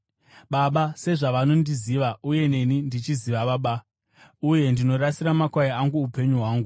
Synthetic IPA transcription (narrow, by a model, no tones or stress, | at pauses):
ɓaɓase̞ʐaʋano̞ndiziʋauje̞ne̞nindit͡ʃiziʋaɓaɓa | uje̞ndino̞rasiɾamakwajaaŋɡuupe̞ɲuɦwaːŋɡu